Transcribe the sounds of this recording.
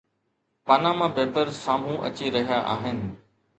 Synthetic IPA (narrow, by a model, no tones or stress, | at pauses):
paːnãːmãːbeːpəɾsaːm̤ũʔɐ̰t͡ɕiɾɐɦijaʔa̰ːɦɪnɪ̆